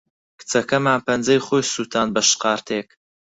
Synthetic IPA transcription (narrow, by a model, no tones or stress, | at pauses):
kɨ̥t͡sɐkɐmaːnpʰɐnd͡zɐjχoːjsuːt̪ʰaːnbɐʃqɑːɾt̪ʰek̚